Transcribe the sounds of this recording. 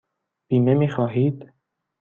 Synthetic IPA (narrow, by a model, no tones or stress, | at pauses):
b̥iːmemiːxɒːɦiːd̪̥